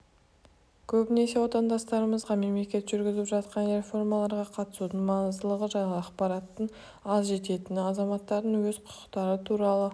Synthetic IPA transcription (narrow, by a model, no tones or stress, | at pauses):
kʲʰɵbɪne̞se̞wo̞t̪ɑnd̪ɑst̪ɑɾəməzʁɑme̞mle̞kʲe̞t̪ʒʏɾɡʲɪzɪpʒɑt̪qɑnre̞fo̞rmɑlˠɑɾʁɑqʰɑt̪ə̥sud̪əɴmɑnəzd̪əlˠəʁəʒɑjɑqpɑɾɑt̪ːəɴ | ɑzʒe̞t̪e̞t̪ɪnɑzɑmɑt̪ːɑɾd̪əɴwɵzqʰʊ̥qə̥qt̪ɑɾət̪ʰuɾɑlˠə